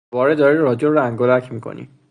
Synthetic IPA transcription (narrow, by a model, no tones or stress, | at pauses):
bɒːɾed̪ɒːɾiɾɒd͡ʒolɾæŋɡolæcʰmiːkʰo̰nḭ